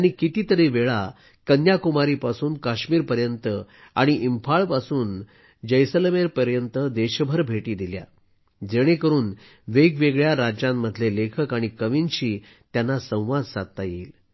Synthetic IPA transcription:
aɽ̃ikit̪iːt̪əɾeʋeɭa | kənjakumaɾiːpasuːnkaɕmiːɾpəɾjənt̪ə | a̰ɽ̃iʔimfʰaɭpasuːn | d͡ʑəjsəlmeɾpəɾjənt̪əd̪eɕbʱəɾbʱeʈiːd̪ilja̰ | d͡zeɽ̃ekəɾuːn | ʋeɡʋeɡɭjaɾad͡ʑãmːəd̪ʱlelekʰəkaɽ̃ikəʋinɕiː | t̪janːasə̃w̃ʋad̪sat̪ːajḭːl

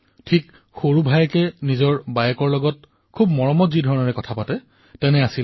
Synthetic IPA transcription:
tʰik | xoɹubʱajkɛnizɔɹbajɛkɔɹlɔɡɔt̚ | kʰubmɔɹɔmɔtzidʱɔɹɔnɔɹɛkɔtʰapatɛ | tɛnɛasil

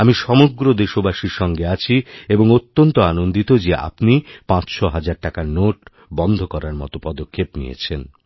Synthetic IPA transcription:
amiʃɔmoɡɾod̪eʃobaʃiɾʃɔŋɡeat͡ɕʰieboŋot̪ːont̪oanond̪it̪od͡ʑeʔa̰pnipãt͡ɕʃɔɦad͡ʑaɾʈakaɾnoʈ | bɔnd̪ʱokɔɾaɾmɔ̰t̪opɔd̪okʰːepnḭjḛt͡ɕʰen

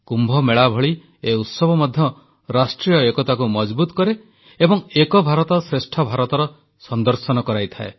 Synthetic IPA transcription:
kumbʱɔmeɭabʱɔɭi | eut̪sɔbʱɔmɔd̪ʱjɔ | ɾasʈɾijɔekɔt̪akumɔd͡ʒbut̪ɔkɔɾe | ebɔŋekɔbʱaɾɔt̪ɔsɾesʈʰɔbʱaɾɔt̪ɔɾɔ | sɔnd̪ɔɾsɔnɔkɔɾajt̪ʰaḛ

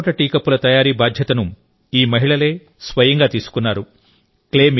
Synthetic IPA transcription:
ʈɐʈiːkɐpːulɐt̪ɐjaːɾiːbaːd̪ʱjɐt̪ɐnu | iːmɐɦiɭɐle̞ː | sʋɐjɐŋɡaːt̪iːsu̥kunːaːɾu | kleːm

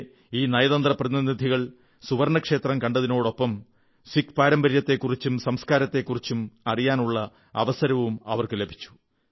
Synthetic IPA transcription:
iːnɐjɐðɐnd̪rɐprɐðinid̪ʱiɣɐɭ | suʋɐɾɳɐkʂe̞ːt̪rɐmkɐɳɖɐðino̞ːɽo̞pːɐm | sikpaːɾɐmbɐɾjɐt̪ːe̞kːurit͡ɕːumsɐmskaːɾɐt̪ːe̞kːurit͡ɕːumɐrijaːnuɭːɐ | ɐ̰ʋɐsɐɾɐʋumɐ̰ʋɐrkɨle̞bʱi̥t͡ɕːu̥

